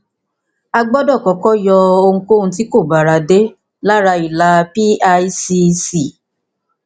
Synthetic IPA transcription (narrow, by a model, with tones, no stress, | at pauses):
a˧ɡ͡bɔ˦dɔ˦˨kɔ˨˦kɔ˦jɔ˧o˧ŋũ˧ko˦˨ũ˧t̬i˦ko˦˨ba˨ɾa˨de˦ | la˦ɾa˧i˨la˨˧pi˦a˧i˦si˧si˨